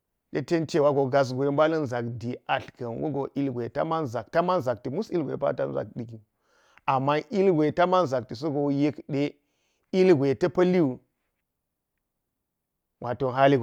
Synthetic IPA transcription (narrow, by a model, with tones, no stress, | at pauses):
ɗe˦te˦nte˦wa˦ɡo˨ɡa˨s̬ɡʷe˨˦mba˦lɐ˦nza˨kdi˨a˨ɬkɐ˨nwṵ˦ɡo˨ʔi˦lɡʷe˨ta̰˦ma˦nza˨k̚ta˦ma˦nza˨k̚ti˨mu˦si˦ɡʷḛ˨pa̰˦ta̰˦n˨za̰˨k̚ɗi˨ki˨ | a˨mːa˦ʔi˦lɡʷe˨ta˦ma˦nza˨k̚ti˨s̬o˦ɡo˨je˦kɗe˦ | i˦lɡʷe˨tɐ˦pɐ˦li˦u˨ | wʔa˨to˨ɦa˦li˦ɡ